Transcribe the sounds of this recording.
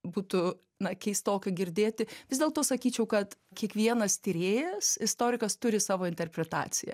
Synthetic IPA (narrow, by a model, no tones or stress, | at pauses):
buːt̪ʊ | nɐkʲɛɪst̪oːkʲɐɡʲɪɾʲd̪ʲeːt̪ʲɪʋʲɪzʲd̪ʲeːlˠt̪oːsɐkʲiːt͡ʃʲɛʊkɐt̪kʲiɛkʋʲiɛnɐst̪ʲɪɾʲeːjɛsɪst̪oːɾʲɪkɐst̪ʊɾʲɪsɑːʋoːɪnʲt̪ʲɛrʲpʲɾʲɛt̪ɑ̰ːt͡s̪ʲɪjɛ̰